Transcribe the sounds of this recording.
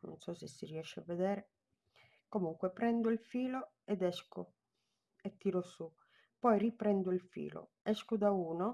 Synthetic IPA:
nṵnsɔsɛsːiriɛʃːɛa̰vːɛd̪ɛːɾɛ | komuŋkwɛpɾɛnd̪ɔilfiːlɔ | ɛd̪ɛsku | ɛt̪ːiːɾosu | pɔjripɾɛnd̪uilfḭːlɔ̰ | ɛskud̪auːnɔ

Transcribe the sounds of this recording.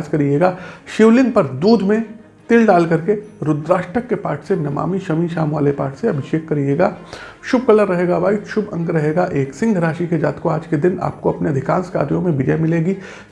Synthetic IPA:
d͡ʒkɐɾieːɡaːʃɪʋlɪ̃ŋɡpɐɾd̪uːd̪ʱmẽ | t̪ɪlɖaːlkɐɾkeɾʊd̪ɾaːʃʈəkːepaːʈʰsenɐma̰ːmiʃɐmiʃaːmʋaːlepa̰ːɾʈʰseɐbʱɪʃeːkːɐɾijeːɡaː | ʃʊb̚kɐləɾːɐɦeːɡabaːiʃʊbɐ̰̃ŋkɾɐɦeːɡaʔeːksɪ̃ŋɡʱɾaːʃiked͡ʒaːt̪koaːd͡ʒked̪ɪna̰ːp̚koɐpneɐd̪ʱɪkãːnska̰ːɾjõmẽbɪd͡ʒɐmɪleːɡiː

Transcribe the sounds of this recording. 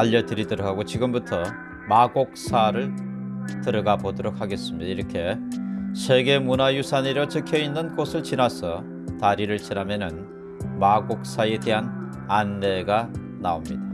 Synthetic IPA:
aʎːʌdɯɾidɯɾʌɡɦaɡot͡ɕiɡɯmbutʰʌ | maɡok̚s͈ʰaɾɯɭtɯɾʌɡabodʌɾok̚haɡe̞s͈ɯmɲid̥̪aiɾʌkʰe̞sʰe̞ɡe̞munajusʰaneɾʌt͡ɕɯkʰjʌinːɯnkosʰɯɭt͡ɕinasʰʌ | taɾiɾɯɭt͡ɕinɦamjenɯn | maɡok̚s͈ae̞te̞ɦan | anːe̞ɡa | naomɲida

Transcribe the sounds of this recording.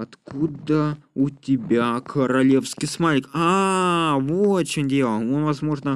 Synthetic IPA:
ɐt̪kud̪əʊtʲɪbʲakʰəɾɐlʲe̞fskʲijsmalʲɪka | vot͡ɕɪnʲdʲelˠəonvɐzmo̞ʐnə

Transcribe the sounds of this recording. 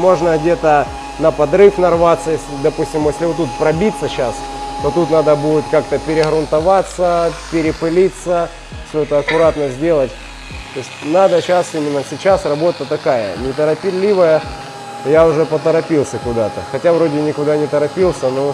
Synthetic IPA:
mo̞ʐnəɣdʲe̞t̪ə | nəpɐd̪ɾɨfnɐrvat̪sːəjesʲɪd̪ɐpusʲtʲɪmjesʲlʲɪvot̪ːut̪̚pɾɐbʲit̪sːəɕast̪o̞t̪ut̪nad̪əbudʲɪt̪kakt̪əpʲɪɾʲɪɣɾʊnt̪ɐvat̪səpʲɪɾʲɪpɨlʲit̪sːə | fsʲoɛt̪əːkʊɾat̪nəzʲdʲe̞lˠətʲ | t̪osʲtʲnad̪əɕasimʲɪnːəsʲɪt͡ɕasrɐbo̞t̪ət̪ɐkajə̰nʲɪt̪əɾɐpʲɪlʲːivəjə | jaʊʐɛpət̪əɾɐpʲilˠsʲəkʊd̪at̪ə̰xɐtʲavɾo̞dʲɪnʲɪkʊd̪anʲɪt̪əɾɐpʲilˠsʲəno

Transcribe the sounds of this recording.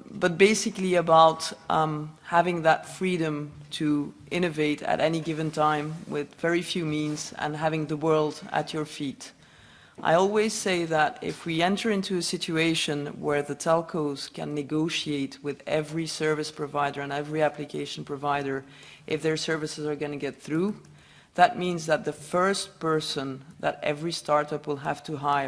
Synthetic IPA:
b̥ʌt̚b̥eɪsɨkliɨbaʊt | hævɪ̃ŋðətfɹiɾɨ̃mtʰɨʔɪ̃ñɨveɪɾɨ̰ɾʔɛniɡɪvɨ̃ntʰãɪ̃mwɪðvɛɹifjʉmĩnzɨ̰̃nɦævɪ̃ŋðəwɜ˞lˠdə̰t͡ʃə˞fiɾ | ʔa̰ɪɔlˠwiz̥seɪðəɾɪ̰fwiɛ̃ntʰə˞ɪ̃ntʰʉɨsɪt͡ʃueɪʃɨ̃nwə˞ðɨtʰɛlˠkʰoʊz̥kɨ̰̃nːɨɡoʊʃieɪt̚ʰwɪðɛvɹisɜ˞vɨspʰɹ̥ɨvaɪɾə˞ɨ̃nɛvɹiæplɨkʰeɪʃn̩pʰɹ̥ɨvaɪɾə˞ | ʔɨfðə˞sɜ˞vɨsɨzə˞ɡʌ̃nɨɡɛt̪̚θɹu | ðɨt̚mĩnzðɨt̪̚ðəfɜ˞st̚pɜ˞sə̃nðɨ̰ɾɛ̰vɹistʰɑɹɾʌpwəlˠɦæftʰɨɦaɪ

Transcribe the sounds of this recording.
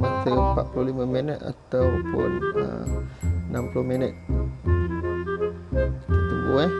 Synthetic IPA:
mat̪əpaʔpululimaminət̪a̰t̪awpʊ̰nə̰ | namplohminət̪̚ | ət̪əbue

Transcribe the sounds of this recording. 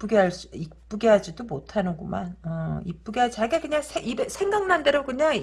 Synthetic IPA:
p͈uɡiɦaɭs͈uik̚p͈uɡiɦad͡ʑidomotʰanɯɡoma̰nʌik̚p͈uɡiɦad͡ʑt͡ɕaɡekɯɲaŋsʰeibesʰe̞ŋɡaŋnande̞ɾokɯɲaŋ

